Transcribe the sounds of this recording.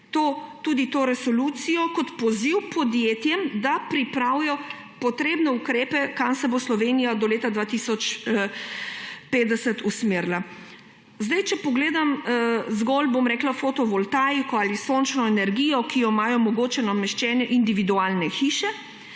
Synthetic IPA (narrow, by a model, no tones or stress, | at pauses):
t̪ot̪uːd̪it̪oːɾɛsɔlut̪sijɔkɔt̪pɔziwpɔd̪jeːt̪jɛmd̪apɾipɾaːwjɔ | pɔt̪ɾeːbnɛukɾeːpɛkamsɛboslɔʋenijad̪ɔleːt̪ad̪ʋaːt̪isɔt͡ʃ | peːt̪d̪ɛsɛt̪usmeɾla | zd̪ajt͡ʃɛpɔɡleːd̪amzɡɔlbomɾɛklafot̪ɔʋɔlt̪ajkɔalisoːnt͡ʃnɔɛnɛɾɡiːjɔkijɔmaːjɔmɔɡoːt͡ʃɛnamɛʃt͡ʃɛːnɛʔind̪iʋid̪uaːlnɛxiːʃɛ